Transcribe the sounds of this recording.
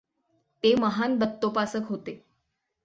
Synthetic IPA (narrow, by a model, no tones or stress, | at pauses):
t̪eməɦand̪ət̪ːopasəkɦot̪e